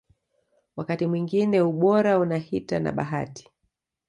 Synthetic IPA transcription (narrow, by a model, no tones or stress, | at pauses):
wakatimwiŋɡinɛuɓɔɾaunahitana̰ɓa̰ɦa̰ti̥